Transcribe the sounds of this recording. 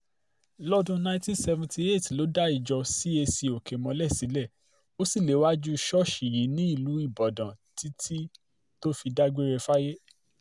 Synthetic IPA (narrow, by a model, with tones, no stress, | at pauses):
lɔ˦dũ˧nã˧ĩ˦ti˦sɛ˧vã˧ti˧e˦˨tlo˨˦da˦i˨d͡ʒɔ˧si˦e˧si˧o˨ke˨mɔ̃˨˧lɛ˦˨si˨˦lɛ˦˨ | o˦si˦˨le˨˦wa˦d͡ʒu˦˧ʃɔ˦ʃi˨ji˨˦nĩ˦i˦˨lu˨˦i˦˨bɔ˨dã˨ti˦tʰi˦ | to˦fi˧da˦ɡ͡be˦ɾɛ˧fa˦je˦